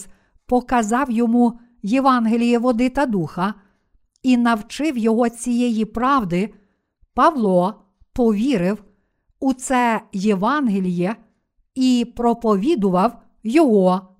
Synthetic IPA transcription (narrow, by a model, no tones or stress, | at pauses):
pɔkɐzɑwjɔmu | jeʋɑnɦelʲijɛʋɔd̪ɪt̪ɐd̪uxɐ | inɐwt͡ʃɪwjɔɦɔt͡sʲijɛjipɾɑwd̪ɪ | pɐʋlˠɔ | pɔʋʲiɾɪw | ut̪sɛjeʋɑnɦelʲijɛ | ipɾɔpɔʋʲid̪ʊʋɐw | jɔɦɔ